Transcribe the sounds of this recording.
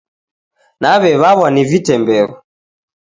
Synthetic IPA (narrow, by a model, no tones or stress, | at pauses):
naβɛβaβanivitɛmbɛɣɔ